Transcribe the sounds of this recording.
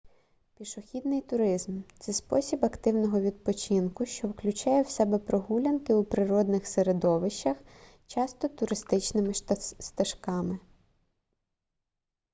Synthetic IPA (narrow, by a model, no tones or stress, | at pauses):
pʲiʃʊxʲid̪nɪjt̪ʊɾɪzmt̪sɛspɔsʲibɐkt̪ɪwnɔɦɔʋʲid̪̚pɔt͡ʃinkʊʃt͡ʃɔwklʲʊt͡ʃɑjɛwsɛbɛpɾɔɦulʲɐnkɪupɾɪɾɔd̪nɪxseɾed̪ɔʋɪʃt͡ʃːɐx | t͡ʃɑst̪ɔt̪ʊɾɪst̪ɪt͡ʃnɪmɪst̪ɐʃkɑmɪ